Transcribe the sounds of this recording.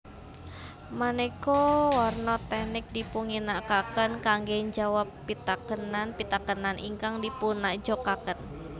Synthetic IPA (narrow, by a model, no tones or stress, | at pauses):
manɛkɔwarnɔt̪ɛnɪk̚dipuŋinakakənkaŋɡɛɲd͡ʒawapːit̪akənanpit̪akənanʔḭŋkaŋdipunaʔd͡ʒɔkakən